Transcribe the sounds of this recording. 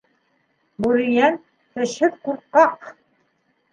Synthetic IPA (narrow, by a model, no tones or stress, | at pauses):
bʉɾĭjæn | tɘ̆ʃhɘðkuɾqːɑq